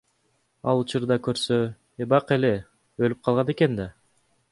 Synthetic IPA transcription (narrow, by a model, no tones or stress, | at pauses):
ɑ̰lˠut͡ʃuɾd̪ɑkø̞ɾsø | ebɑqe̞le̞ | ølyp̚qʰɑlˠʁɑne̞ke̞nd̪ɑ